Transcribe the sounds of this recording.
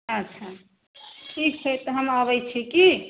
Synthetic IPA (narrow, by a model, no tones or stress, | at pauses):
ətːʃʰa | ʈʰik̚t͡ʃʰɛt̪ɔɦəmaβəjt͡ʃʰiki